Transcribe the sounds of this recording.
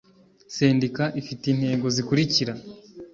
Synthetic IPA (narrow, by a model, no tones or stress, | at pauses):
seːndikaʔifitin̥he̞ːɡo̞zikuɾiciɾa